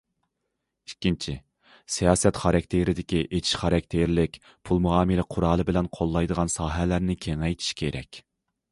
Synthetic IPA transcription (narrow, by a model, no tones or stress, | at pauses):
ikʲːint͡ʃʰi | sijɑːsɛt̪χɑɾɑkʲt̪ʰeɾɪd̪ɪkʲiʔet͡ʃ̪ʰi̥ʃχɑɾɛk̚ʲt̪ʰeɾlɪkʲ | pʰulˠmuɑːmɨlɪqʰʊɾɑːlˠɨbɪlɛnqʰolˠːɑjd̪əʁɑnsɑːɦɛlæɾnɪkʲʰeŋɛjt̪ʰi̥ʃkʲʰeɾʔɛ̰kʲ